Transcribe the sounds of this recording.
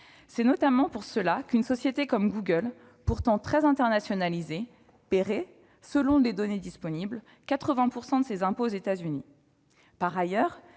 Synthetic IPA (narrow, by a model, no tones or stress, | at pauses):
sɛnɔt̪amɑ̃puʁsəlakynsɔsjet̪ekɔmɡuɡœl | puʁt̪ɑ̃t̪χɛzɛ̃t̪ɛʁnasjɔnalize | peʁe | səlɔ̃led̪ɔned̪ispɔnibl | kat̪χəvɛ̃puʁsɑ̃d̪əsezɛ̃poːzet̪azyni | paʁajœːʁ